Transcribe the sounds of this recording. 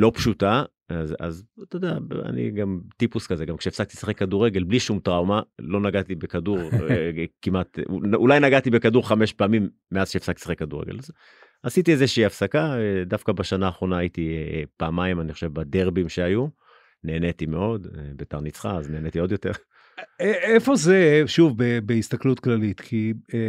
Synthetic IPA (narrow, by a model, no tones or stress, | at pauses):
lo̞pʃut̪a | aza̰zt̪od̪aa̰nḭɡamt̪ipuskazeɡamkʃeːfsak̚t̪i̥saχekːaduʁeɡe̞lbliʃumt̪ʁawmalo̞naɡat̪ibekaduʁʁ | kimʔat̪ulajnaɡat̪ibe̞kaduʁχameʃpaːmimːeazkʃeefsakt̪i̥sḁχekːaduʁeɡḛlaz | asit̪iezeʃiiafsakaed̪afkabaʃanaːχʁo̞naːjit̪ipaːmaimaniχoʃevbad̪eʁbimʃeaju | neːnet̪imeo̞d̪bet̪aʁnit͡sχaazneːnet̪io̞d̪jo̞t̪e̞ʁ | eefozeʃuvbebeist̪aklut̪klalit̪kʰi